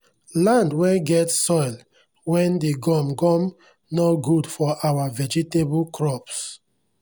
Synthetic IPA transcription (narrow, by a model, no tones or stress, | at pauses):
lãndwɛɡɛtsɔɪl | wɛ̃ndeɡɔ̃mɡɔ̃m | noɡudfɔʔawavɛd͡ʒitebulkɹɔps